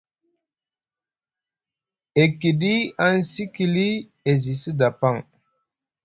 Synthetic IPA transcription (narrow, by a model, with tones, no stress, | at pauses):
e˨ki˨ɗi˦a˦nsi˦ki˨li˦ | e˨zi˨si˦da˨pa˦˨ŋ